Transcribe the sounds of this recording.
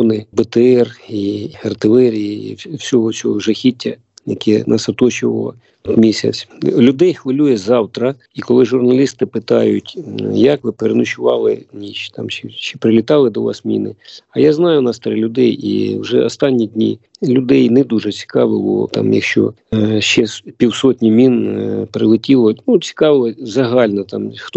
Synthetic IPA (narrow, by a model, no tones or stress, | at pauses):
nɪbɪt̪eɛriɐrt̪ɪlˠɛɾʲijiḭwsʲɔɦɔt͡sʲɔɦɔwʒɛxʲitʲːɐ | jɐkɛnɑsɐt̪ɔt͡ʃʊʋɐlˠɐ̰ | ɔt̪mʲisʲɐ̰t͡sʲlʲʊd̪ɛjxʋɐlʲujɛzɑwt̪ɾɐ | ikɔlˠɪʒʊrnɐlʲist̪ɪpɪt̪ɑjʊtʲjɐkʋɪpeɾenʊʃʊʋɑlˠɪnʲiʃt̪ɑmʃɛʃt͡ʃɛpɾɪlʲit̪ɑlˠɪd̪ɔʋɑ̰smʲḭnɪ̰ɐjaznɑjʊnɑst̪ɾɛlʲʊd̪ɛjḭwʒɛɔst̪ɑnʲːidʲnʲḭlʲʊd̪ɛjnɛd̪uʒɛt͡sʲi̥kɑʋɪlˠɔ̰t̪ɑ̰mjɐ̰kʃt͡ʃɔ̰ | ʃt͡ʃɛspʲiwsɔtʲnʲimʲinpɾɪlˠɪtʲilˠɔnut͡sʲi̥kɑʋˠɔzɐɦɑlʲnɐt̪ɑmxt̪